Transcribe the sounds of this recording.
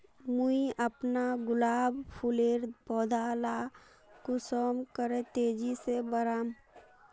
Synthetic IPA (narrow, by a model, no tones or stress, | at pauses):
muiəpnaɡʊlaːbpʰuleːɾpɔːd̪ʱaːla | kʊsɔmkəɾẽt̪eːd͡ʒisebəɾaːm